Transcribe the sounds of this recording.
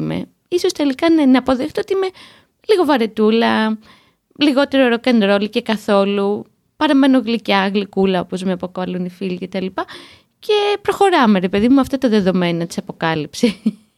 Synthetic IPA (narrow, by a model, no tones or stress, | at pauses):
me̞̰ | iso̞st̪e̞likɐnenɐːpo̞ðext̪eot̪iime̞ | liɣo̞vɐɾe̞t̪ulɐ | liɣo̞t̪e̞ɾoɾokend̪ɾo̞lice̞kɐθo̞lu | pɐɾɐme̞no̞ɣlicɐɣlikulɐo̞̰po̞zmeɐpokoɐlonifilice̞t̪ɐlipɐ | ce̞pɾo̞xo̞ɾɐme̞ɾepe̞ðimumɐft̪ɐt̪ɐðe̞ðo̞me̞nɐt̪i̥sɐpo̞kɐlipse